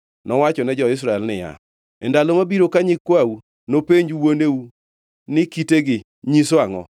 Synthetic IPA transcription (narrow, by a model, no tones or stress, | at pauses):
nɔwat͡ʃɔnɛd͡ʒɔɪs̬ɾaɛlnɪja̰ | ɛndalomabiɾokaɲɪkwawu | nopeɲd͡ʒuwoneu | nɪkiteɡɪ | ɲiswaŋɔ̰